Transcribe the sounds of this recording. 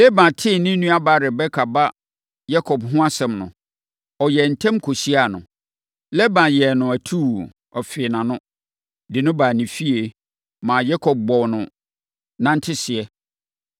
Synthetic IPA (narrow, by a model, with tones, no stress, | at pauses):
lɛ˦bã˨tʰɪ˦˨nĩ˦nũ˦a˦ba˦ɾɪ˨bɛ˦kʰa˨ba˦ | ja˦kʰɔ˨bɦʊ̃˦a˦sɛ̃˨mnʊ̰̃˨ | ɔ˨jɛ˨n̩˨tʰɛ̃˦mkʰo˨si˦a˨nʊ̰̃˨ | lɛ˦bã˨jɛ˨nʊ̃˨æ˨tʰu˦˨ | ɔ˨fɪ˨nã˨nʊ̃˦ | dɪ˨nʊ̃˦baː˨nĩ˨fi˦e˨ | mãː˨jɛ˦kʰɔ˨b̚bɔ˨wnʊ̃˨ | nã˦n̩˦tʰɪ˦sɪ˨ɛ˨